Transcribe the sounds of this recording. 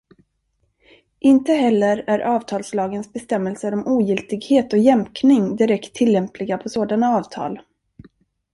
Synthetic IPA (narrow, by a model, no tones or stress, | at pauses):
ʔɪnt̪əɦɛlːəɾæɾʔɑːvt̪ʰɑːlslɑːɡənsbɛst̪ɛmːɛlsəɾɔmʔuːjɪlt̪ɪɡheːt̪ɔjɛmknɪŋd̪ɪɾɛkt̪ʰːɪlːɛmpʰlɪɡapʰɔsoːd̪anaɑːvt̪ʰɑ̰ːl